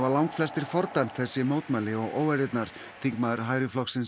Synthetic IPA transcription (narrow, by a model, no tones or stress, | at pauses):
alawŋkflɛst̪ɪɾ̥fɔɾt̪ajm̥t̪θɛsːɪmoːwtt̪malɪɔɣo̰ːwaɾɪt̪naɾ̥ | θiŋkmaðʏɾ̥ɦaːjɾɪflɔksɪns